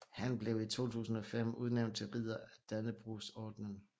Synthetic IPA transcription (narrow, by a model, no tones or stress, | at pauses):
hænb̥le̝ʊit͡sʰo̝̰ːt͡sʰṵːsn̩ɒ̽fem̰uð̞ˠneʊn̚t͡sʰe̝lʁið̰ˠɐæd̥ænəb̥ʁusɒːd̥nən